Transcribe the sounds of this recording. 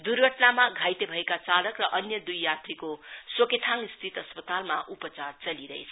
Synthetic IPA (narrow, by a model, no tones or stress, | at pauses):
d̪urɡʱʌʈnamaɡʱajt̪ebʱʌekat͡salʌkrʌʔʌnjʌd̪ujːat̪rikosoket̪ʰaŋist̪ʰit̪ʌspʌt̪almaʔupʌt͡sart͡sʌliɾʌɦḛt͡sʰʌ